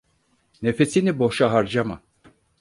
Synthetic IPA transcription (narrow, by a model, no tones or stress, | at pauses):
nefesiniboʃaɦaɾd͡ʒama